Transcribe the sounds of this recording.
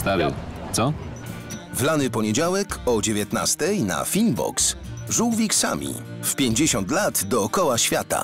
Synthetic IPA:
st̪avʲja̰t̪sɔ | vlanɘpɔɲed͡ʑawɛkɔd͡ʑevʲjet̪na̰st̪ɛjna̰fʲinbɔ̰ksʐuwvʲiksa̰mʲḭfpʲjeɲd͡ʑeɕɔnt̪lad̪d̪ɔːkɔwaɕfʲjat̪a̰

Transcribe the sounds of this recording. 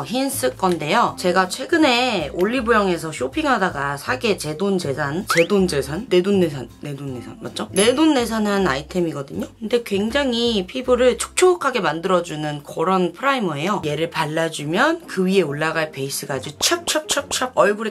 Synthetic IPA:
çins͈ɯk͈ʌnde̞jʌt͡ɕe̞ɡat͡ɕʰwe̞ɡɯne̞oʎːibojʌŋe̞s̬ʰʌɕʰopʰiŋɦadaɡasʰaɡe̞t͡ɕe̞dond͡ʑe̞sʰant͡ɕe̞dond͡ʑe̞sʰanːe̞donːe̞s̬ʰanːe̞donːe̞sʰa̰nma̰t̚t͡ɕ͈one̞donːe̞s̬ʰanɦanaitʰe̞miɡʌdɯɲokɯnde̞kwe̞ŋd͡ʑaŋipʰibɯɾɯɭt͡ɕʰo̥k̚t͡ɕʰokʰaɡe̞mandɯɾʌd͡ʑunɯnkʌɾʌnpʰɯɾaimʌe̞joje̞ɾɯɭpaɭːad͡ʑumjʌnkɯɥie̞oɭːaɡaɭpe̞is͈ɯɡad͡ʑut͡ɕʰʌp̚t͡ɕʰʌt͡ɕʰʌp̚t͡ɕʰʌʌɭɡuɾe

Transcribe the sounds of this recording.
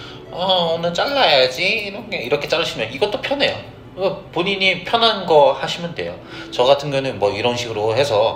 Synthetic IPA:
ʌʌnɯnt͡ɕ͈aɭːajad͡ʑiːɾʌnɡeiɾʌkʰet͡ɕ͈aɾɕʰimjʌniɡʌt͈opʰjʌne̞jo̰ | epoɲiɲipʰjʌnɦanɡʌhaɕʰimɯndwe̞̰jo | t͡ɕʌɡatʰɯnɡʌnɯnmwʌiɾʌnɕʰiɡɯɾohe̞sʰʌ

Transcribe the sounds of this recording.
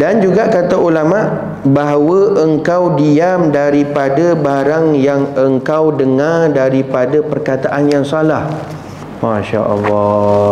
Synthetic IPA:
dand͡ʒuɡaʔkat̪aʔulamaʔ | baɦawəʔəŋkawdiamdaɾipadabaɾaŋjaŋəŋkawdəŋardaɾipadapərkat̪aʔanjaŋsalah | mãʃa̰ʔɔ̰lːɔ

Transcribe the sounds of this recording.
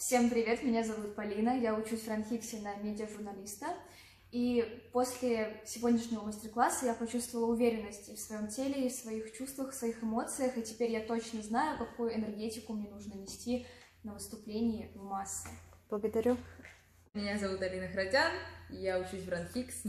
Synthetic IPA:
fsʲe̞mpɾʲɪvʲe̞t̪mʲɪnʲazɐvut̪pɐlʲinəjaʊt͡ɕusʲvrɐnxʲiksʲɪnəmʲedʲɪəʐʊrnɐlʲist̪ə | ipo̞sʲlʲɪsʲɪvʲo̞d̪ʲnʲɪʂnʲɪvəməsʲtʲɪrklˠasːəjapɐt͡ɕust̪vəlˠəʊvʲeɾʲɪnːəsʲtʲɪfsvɐjo̞mtʲelʲɪifsvɐixt͡ɕust̪vəxfsvɐixɨmo̞t̪sɨjəxɨtʲɪ̥pʲeɾʲjat̪ot͡ɕnəznajʊkɐkujʊɪnʲɛrɡʲetʲɪkʊmnʲenuʐnənʲɪsʲtʲi | nəvɨst̪ʊplʲenʲɪjɪmasːəb̥lˠəɡəd̪ɐɾʲu | mʲɪnʲazɐvut̪ɐlʲinəxɾɐdʲanjaʊt͡ɕusʲvɾɐnxʲiks

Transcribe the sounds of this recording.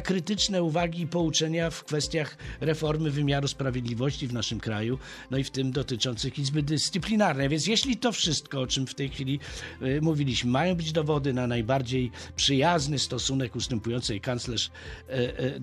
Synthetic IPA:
kɾɘt̪ɘt͡ʂnɛuvaɡʲiːpɔut͡ʂɛɲafkfɛst̪ʲjaxɾɛfɔɾmɘvɘmʲjaɾuspɾavʲjed̪lʲivɔɕt͡ɕivnaʂɘmkɾaju | nɔift̪ɘmd̪ɔt̪ɘt͡ʂɔnt̪sɘxʲizbɘd̪ɘst̪sɘplʲinaɾnɛjavʲjɛns̬ʲjeɕlʲit̪ɔfʂɘst̪kɔɔt͡ʂɘmft̪ɛjxfʲilʲimuvʲilʲiɕmɘmajɔ̃w̃bɘd͡ʑd̪ɔvɔd̪ɘnanajbaɾd͡ʑejpʂɘjaznɘst̪ɔsunɛkust̪ɛmpujɔnt̪sɛjkant̪slɛʂ

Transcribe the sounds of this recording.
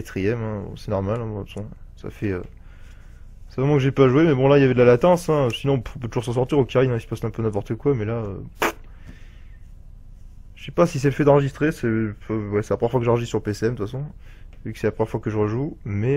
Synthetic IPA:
at̪χijɛmɛ̃ɔ̰̃sɛnɔʁmalɛ̃mɔ̃ɛ̃sɔ̃sa̰fɛø̰ | sɛvʁɛmɑ̃kəʒɛpaʒuemɛbɔ̃lailjavɛd̪lalat̪ɑ̃sɛ̃øsinɔ̃ɔ̃p̬øt̪uʒuʁsɑ̃s̬ɔʁt̪iʁokʲaʁinɛ̃isə̥pasnɛ̃pønɛ̃pɔʁt̪əkwamɛlaø | ʒə̥sɛpasis̬ɛləfɛd̪ɑ̃ʁəʒist̪χesɛwɛsɛlapχəjɛʁfwakəʒɑʁəʒit̪syʁləpeseɛmd̪əfasɔ̃ | vykə̥sɛlapχəjɑʁfwakəʒəʁəʒumɛ

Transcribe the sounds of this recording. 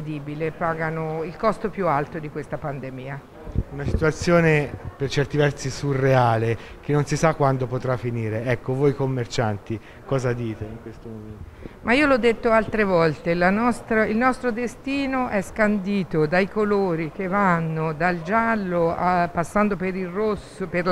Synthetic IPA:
d̪iːbilepaːɡanoilkɔst̪opjualt̪od̪ikwest̪apand̪emiːa | unasi̥t̪uat̪sːjoːnepert͡ʃɛrt̪ivɛrsisurːeaːle | kenːonsisakːwand̪opot̪ɾafiniːɾeɛkːovojkomːert͡ʃant̪i | kɔːzad̪iːt̪eiŋkwest̪omoment̪mʔaiːolɔd̪ːet̪ːoalt̪ɾevɔlt̪elanɔst̪ɾailnɔst̪ɾod̪est̪iːnoʔɛskand̪iːt̪od̪ajkoloːɾik̟evanːod̪ald͡ʒalːoapasːand̪opeɾilrosoper

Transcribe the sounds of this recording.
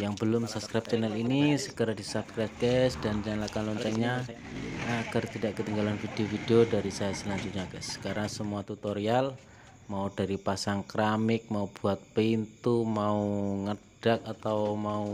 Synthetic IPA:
jaŋbəlʊmsap̚skɾap̚t͡ʃɛnɛlinisəkəɾadisapskɾap̚ɡɛsd̥ant͡ʃanlakanlɔɲt͡ʃɛɲa | akərt̪idaʔkət̪iŋɡalanfid̥eofideodaɾisajasəlaɲd͡ʒʊt̪̚ɲaɡɛskaɾasəmuat̪ut̪oɾial | maudaɾipasaŋkɾamɪk̚maub̥uat̪̚pəint̪umauŋəd̥ak̚at̪awmau

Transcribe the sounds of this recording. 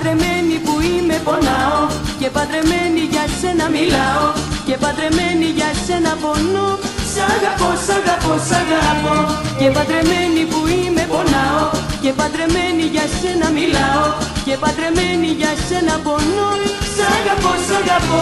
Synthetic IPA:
ɾemenipuimeponɐocepɐd̪ɾe̞meniʝɐse̞nɐmilɐocepɐd̪ɾe̞meniʝɐsenɐpo̞nosɐɣɐposɐɣɐposɐɣɐpocepɐðɾemenipuimeponɐocepɐd̪ɾe̞meniʝɐse̞nɐmilɐocepɐd̪ɾe̞meniʝɐsenɐponosɐɣɐposɐɣɐpo

